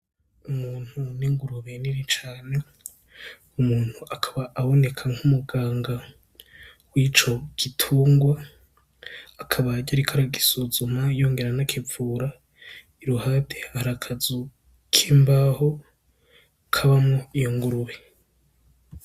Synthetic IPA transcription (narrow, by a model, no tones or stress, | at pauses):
umuːn̥huniŋɡuɾuβe̞niɾit͡ʃaːne̞ | umuːn̥huakʰaβaʔːβo̞ne̞kʰaŋ̥humuɡaːŋɡa | wit͡ʃo̞ɡ̥itʰuːŋɡwa | kʰaβaɟaɾikʰaɾaɡisuzumajo̞ːŋɡe̞ɾanakʰevuːɾa | iɾuhatʰehaɾakʰazu | kʰiːmbaho̞ | kʰaβamŋoijoŋɡuɾuβe